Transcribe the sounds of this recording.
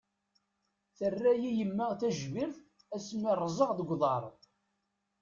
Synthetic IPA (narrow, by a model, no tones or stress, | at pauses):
θərːæjijəmːəʁθæʒviɾθ | æsmirˤːzˤəʁðəɡʷðˤɑɾˤ